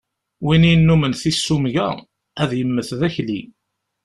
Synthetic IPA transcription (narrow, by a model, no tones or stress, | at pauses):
wininːumənθisːumʝæ̰ | æðjəmːəθðæçli